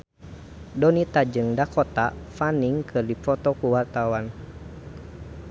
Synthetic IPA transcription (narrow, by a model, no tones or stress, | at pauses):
dɔnit̪ad͡ʒɨŋdakɔt̪a̰faniŋkʰɨrdifɔt̪ɔkuwart̪awan